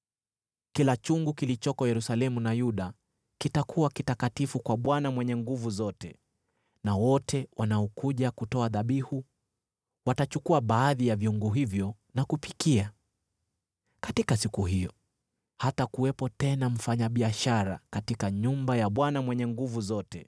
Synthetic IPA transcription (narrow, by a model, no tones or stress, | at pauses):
kilat͡ʃuŋɡukilit͡ʃɔkɔjɛɾusalɛmunajuɗa | kitakʰuakitakatifukwaɓwanamwɛɲɛŋɡuvuzɔtɛ | nawɔtʰɛwanaɔkuʄakutɔaðaɓihu | watat͡ʃukuaɓaːðijavjuŋɡuɦivjɔ | nakupikia | katikasikuɦijɔ | hatakuwɛpɔtɛnam̩faɲaɓiaʃaɾa̰katikaɲumbajaɓwanamwɛɲɛŋɡuvuzɔtɛ